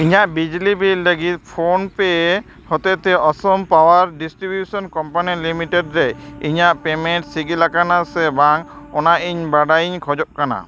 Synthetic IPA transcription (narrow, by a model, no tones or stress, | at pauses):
iɲaʔbid͡ʒlibilːəɡit̪̚pʰonpɛ | hɔt̪et̪ɛʔɔsɔmpawaɾɖisʈɾibjusɔnkɔmpanilimiʈeɖɾɛiɲaʔpemeɳʈsiɡilakanasɛbaŋɔnaʔiɲbaɖaiɲkʰɔd͡ʒɔʔ̚kana̰